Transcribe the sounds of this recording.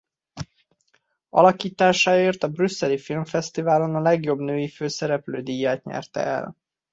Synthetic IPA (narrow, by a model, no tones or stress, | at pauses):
ɒ̰lɒkiːt̪aːʃaːeːrt̪ɒbrysːɛlifilmfɛst̪ivaːlo̞nɒlɛɡjo̞bnøːjiføːsɛɾɛpløːd̪iːjːaːt̪ɲɛ̰rt̪ɛ̰ʔɛ̰l